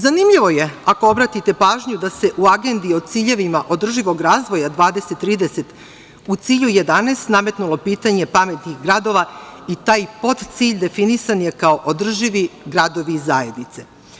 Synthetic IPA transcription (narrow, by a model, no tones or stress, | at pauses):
zanimʎiʋo̞je̞ako̞obɾat̪it̪e̞paːʒɲud̪ase̞ʔuaɡe̞nd̪io̞d̪̚t̪siːʎe̞ʋimaʔo̞d̪r̩ʒiʋo̞ɡɾaːzʋo̞jad̪ʋaːd̪e̞set̪ːɾiːd̪ese̞t̪ | ut̪siːʎuje̞d̪aneːst̪name̞t̪nulˠo̞piːt̪aɲe̞pame̞t̪nixɡɾad̪o̞ʋait̪aːjpo̞t̪t̪siːʎd̪e̞finisanje̞kaoʔod̪r̩ʒiʋiɡɾad̪o̞ʋiːzaje̞d̪nit̪se̞